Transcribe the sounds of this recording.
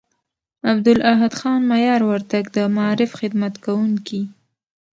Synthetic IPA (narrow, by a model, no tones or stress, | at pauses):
abd̪ʊlaɦad̪xɑnmajɑɾwaɾt̪aɡd̪əmaɑɾɪfxɪd̪mat̪kawuŋki